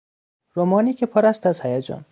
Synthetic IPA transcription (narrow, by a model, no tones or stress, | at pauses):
ɾomɒːniːcʰepʰɒɾæst̪æzhæjæd͡ʒɒ̰ːn